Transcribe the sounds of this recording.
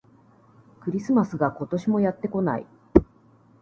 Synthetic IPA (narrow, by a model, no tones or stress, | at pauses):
kɯ̟ɾʲisɨmasɨɡako̞t̪o̞ɕimo̞jat̪ːe̞ko̞na̰ḭ